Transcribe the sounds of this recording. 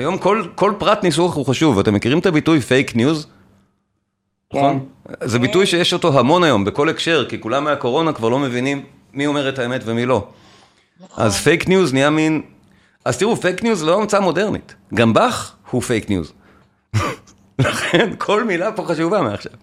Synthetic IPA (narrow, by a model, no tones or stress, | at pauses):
ajo̞mko̞lko̞lpʁatnis̬uaχuχaʃuvatemːe̞kiʁimetabitujfejknjuz | nonzebitujʃe̞jeʃo̞to̞ɦamo̞najo̞mbe̞ko̞le̞kʃe̞ʁkikulameako̞ʁo̞nakvaʁlo̞me̞vinimː | io̞me̞ʁethaeme̞tvemilo̞ | ʔa̰zfejknjuzniamin | aztiʁufejknjuzloamt͡samo̞de̞ʁnḭtɡambaχhufejknjṵz | laχe̞nkʰo̞lmilapo̞χaʃuvameaχʃa̰v